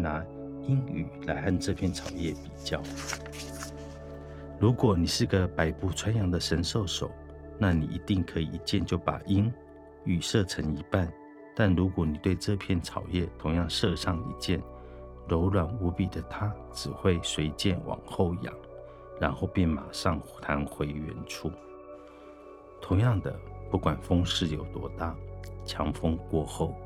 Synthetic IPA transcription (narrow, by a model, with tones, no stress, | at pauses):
na˧˥˦ | i˦˥ŋy̰˨˩la˧˥ɪa˥˧nʈ͡ʂɤ˥˧pʰjɛ˥˩nt͡sʰɑ˨˩ʊjɛ˥˩pi˨˩t͡ɕjɑ˥˩ʊ | ɻu˧˥kwɔ˨˩ni˨˩ʂɻ̩˥˩ɡə˨pa˨˩ɪpu˥˩ʈ͡ʂʰwa˦˥njɑ˨˥ŋd̪ə˨ʂə˧˦nʂo˥˩ʊʂo˨˩˦ʊ | na˥˩nḭ˨˩ʔḭ˧˥t̪i˥˩ŋkʰɤ˧˦ḭ˨˩ʔi˧˥t͡ɕjɛ˥˧˨nt͡ɕjo˥˩ʊpa̰˨˩ʔi˦˥n | y˨˩ʂɤ˥˧ʈ͡ʂʰə˧˥ŋi˧˥pa˥˨n | t̪a˥˩nɻu˧˥kwɔ˨˧˦ni˨˩t̪we˥˧ɪʈ͡ʂɤ˥˧pʰjɛ˥˨nt͡sʰɑ˨˩ʊjɛ˥˨t̪ʰʊ˧˥ŋjɑ˥˧ŋʂɤ˥˧ʂɑ˥˩ŋḭ˧˩t͡ɕjɛ˥˩˨n | ɻo˧˥ʊlwa˨˩nu˧˥pi˨˩d̪ə˦t̪ʰa˥ | ʈ͡ʂɻ̩˨˩xwe˥˩ɪswe˧˥ɪt͡ɕjɛ˥˩nwɑ̰˨˩ŋxo˥˩ʊjɑ̰˨˩˦ŋ | ɻa˧˥nxo˥˧ʊpjɛ˥˩nma̰˨˩ʂɑ˥˧ŋt̪ʰa˧˥nxwe˧˥ɪɥɛ̰˧˥nʈ͡ʂʰu˥ | t̪ʰʊ˧˥ŋjɑ˥˩ŋd̪ə˩pu˥˩kwa˨˩nfɤ˥ŋʂɻ̩˥˩jo˨˩ʊt̪wɔ˧˥t̪a˥˩t͡ɕʰjɑ˧˥ŋfɤ˥ŋkwɔ˥˧xo˥˩ʊ